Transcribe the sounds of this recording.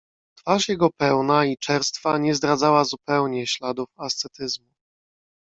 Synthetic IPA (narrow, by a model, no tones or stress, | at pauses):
t̪faʂjɛɡɔpɛwnait͡ʂɛɾst̪faɲɛzd̪ɾad̪zawazupɛwɲɛɕlad̪ufast̪sɛt̪ɘzmu